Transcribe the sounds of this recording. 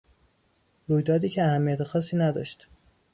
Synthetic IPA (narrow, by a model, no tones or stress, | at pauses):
ɾuːjd̪ɒːd̪iːcʰeæhæmːijæt̪ʰexɒːsːiːnæd̪ɒ̰ːʃt̪